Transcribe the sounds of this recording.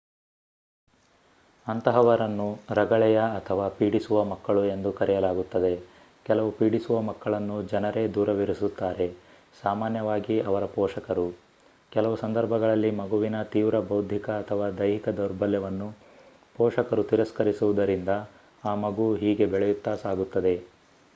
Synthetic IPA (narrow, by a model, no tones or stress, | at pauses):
ɐnt̪ɐɦɐʋɐɾɐnːuɾɐɡɐɭɛjɐɐt̪ʰɐʋaːpiːɽisuʋɐmɐkːɐɭue̞nd̪ukɐɾɛjɐlaːɡut̪ːɐd̪e̞ | kɛlɐʋupiːɽisuʋɐmɐkːɐɭɐnːud͡ʒɐnɐɾe̞ːd̪uːɾɐʋiɾisut̪ːaːɾe̞ | saːmaːnjɐʋaːɡiɐʋɐɾɐpɔːʂɐkɐɾu | kɛlɐʋusɐnd̪ɐɾbʱɐɡɐɭɐlːimɐɡuʋinɐt̪iːʋɾɐbɐwd̪ʱikɐːt̪ʰɐʋaːd̪ɐjɦikɐd̪ɔɾbʱɐljɐʋɐnːu | pɔːʃɐkɐɾut̪iɾɐskɐɾisuʋud̪ɐɾind̪ɐ | aːmɐɡuɦiːɡe̞bɛɭɛjut̪ːaːsaːɡut̪ːɐd̪e̞